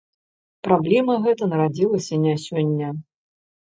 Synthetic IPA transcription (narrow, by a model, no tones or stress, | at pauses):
pɾablʲɛmɐɣɛt̪ɐnɐɾad͡zʲilˠɐsʲɐnʲasʲɔnʲːɐ